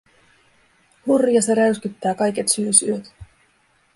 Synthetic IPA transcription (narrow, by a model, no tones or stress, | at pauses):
hurjɑseɾæɥskyt̪ːæːkɑjke̞t̪syːsyøt̪